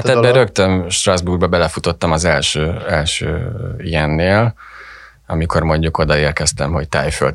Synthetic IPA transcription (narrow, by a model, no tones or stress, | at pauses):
at̪ɛbbɛɾøkt̪ømʃt̪rɒzburbɒbɛlɛfut̪o̞t̪ːɒmɒzɛlʃøːɛlʃø̰ːijɛnːeːl | ɒmiko̞rmo̞ɲɟuko̞d̪ɒeːrkɛst̪ɛmho̞c̚t̪aːjfø̰lt̪